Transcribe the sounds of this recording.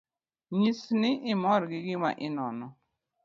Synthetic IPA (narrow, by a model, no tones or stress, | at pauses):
ɲisnɪʔɪmɔɾɡɪɡɪma̰ʔɪnɔnɔ